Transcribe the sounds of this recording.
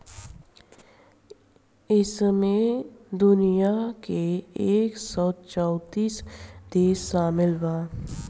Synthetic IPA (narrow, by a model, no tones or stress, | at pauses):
ɪsmẽd̪ʊnijakeːksɔːt͡ʃɔːt̪iːsd̪eːʃːaːmɪlwaː